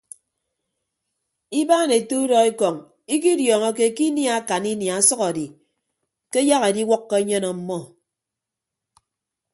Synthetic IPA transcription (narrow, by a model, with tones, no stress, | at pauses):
i˦baː˦ne˨tu˦dɔ˨i˦kɔ˨ŋ | i˦k̬i˦djɔː˨ŋɔ˦ke˦˨ki˦nja˦a˦ka˨ni˦nja˨a˦sʌ˦ka˨di˨ | ke˦ja˦ɣe˨di˦wɔ˦kːɔ˦ɲe˦nɔ˨m̩˦mɔ˦